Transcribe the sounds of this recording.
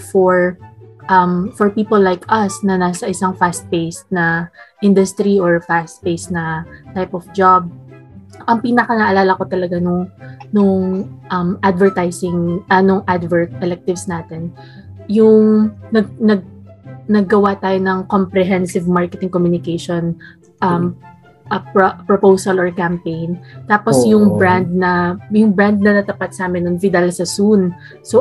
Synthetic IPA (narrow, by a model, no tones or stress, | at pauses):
fɔɹʔɐmfɔɹpiːpɔlːajkʰʔɐsnɐnaːsɐʔɪsɐŋfast̪̚pejsnɐʔɪnd̪ʊst̪ɾiɔɹfast̪̚pejsnɐt̪ajpɔfd͡ʒab̚ | ʔɐŋpiːnɐkɐnɐʔɐlaːlɐko̞t̪ɐlɐɡanʊŋnʊŋʔɐmʔad̪vɛɹt̪ajsɪŋɐnʊŋʔad̪vɛɹt̪̚ɛlɛk̚t̪ɪvsnaːt̪ɛn | jʊŋnɐɡnɐɡ̚nɐɡːɐwat̪aːjonɐŋkompɾɛɦɛnsɪvmaɹkɛt̪ɪŋkomjunɪkejʃon | ʔɐm | ʔɐppɹopowsɐlɔɹkɐmpejnt̪aːposjʊŋbɹand̪̚nɐjʊŋbɹand̪̚nɐnɐt̪ɐpat̪̚saːmɪnːɐŋvɪd̪alsɐsun | so